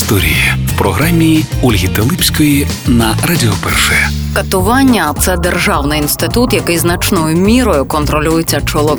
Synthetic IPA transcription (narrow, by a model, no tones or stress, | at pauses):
st̪ɔɾʲḭjiwpɾɔɦɾamʲːiulʲɦʲit̪elˠɪpsʲkɔji | nɐrɐdʲɪɔpɛ̰rʃɛɛ | kɐt̪ʊʋɑnʲːɐt̪sɛd̪erʒɑwnɪinst̪ɪt̪ut̪jɐkɪjznɐt͡ʃnɔjʊmʲiɾɔjʊkɔnt̪ɾɔlʲujet͡sʲːɐt͡ʃɔlˠɔ